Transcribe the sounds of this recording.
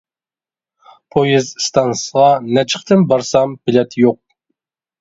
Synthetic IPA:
pʰojɪzst̪ʰɑnsəʁɑnɛt͡ʃʰə̥χt̪ʰɨnbɑɾsɑmb̥ɪlɛt̪joq̚

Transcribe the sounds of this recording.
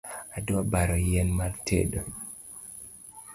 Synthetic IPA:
adabaɾɔjɛnmartʰḛdo

